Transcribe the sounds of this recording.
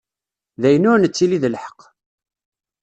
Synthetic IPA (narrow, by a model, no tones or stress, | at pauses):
ðæjənʊɾnət͡sːiliðəlħə̥q